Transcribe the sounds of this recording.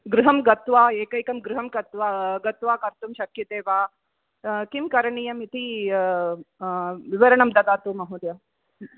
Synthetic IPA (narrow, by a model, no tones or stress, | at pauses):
ɡɾuɦɐmɡɐt̪ʋaːeːkɐjkɐmɡɾuɦɐmkɐt̪ʋaɡɐt̪ʋaːkɐɾt̪umʃɐkjɐt̪eːʋaː | kimkɐɾɳijɐmit̪i | ʋiʋɐɾɐɳɐmd̪ɐd̪aːt̪oːmɐɦud̪jɐ